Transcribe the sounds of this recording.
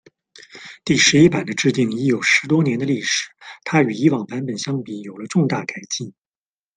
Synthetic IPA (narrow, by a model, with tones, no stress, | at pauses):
t̪i˥˩ʂɻ̩˧˥i˥pa˨˩d̪ə˦ʈ͡ʂɻ̩˥˧t̪i˥˩ŋi˧˥jo˨˩ʊʂɻ̩˧˥t̪wɔ˥njɛ˧˥nd̪ə˧li˥˩ʂɻ̩˨˩˦t̪ʰa˥y˨˩i˧˥wɑ˨˩ŋpa˧˥npə˨˩nɕjɑ˥ŋpi˨˧˥jo˨˩ʊlə˦ʈ͡ʂʊ˥˧ŋt̪a˥˩ka˨˩ɪt͡ɕi˥˩n